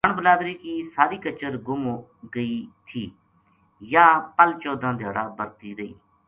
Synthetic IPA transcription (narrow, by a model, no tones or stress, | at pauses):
əɳbəlaːd̪ɾiːkiːsaːɾiːkət͡ʃəɾɡʊm | ɡəiːt̪ʰiː | jaːpəlt͡ʃoːd̪ãːd̪ʱaːɽaːbəɾt̪iːɾəḭː